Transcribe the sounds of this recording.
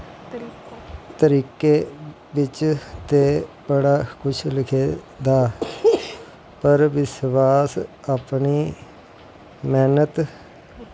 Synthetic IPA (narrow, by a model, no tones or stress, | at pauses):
t̪əɾiːkeː | ʋɪt͡ʃt̪eːbəɽaːkʊt͡ʃʰlɪkʰeː | d̪aː | pəɾʋɪsʋaːsaːpniː | mɛːnət̪